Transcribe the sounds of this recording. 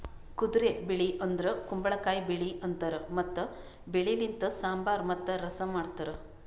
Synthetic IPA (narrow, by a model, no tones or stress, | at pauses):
kud̪ɾebeɭiʔɐnd̪ɐɾɐkumbɐɭɐkaːjibeɭiɐnt̪ɐɾɐmɐt̪ːɐ | beɭilint̪ɐsaːmbaːɾmɐt̪ːɐɾɐsɐmaːɽt̪ɐɾɐ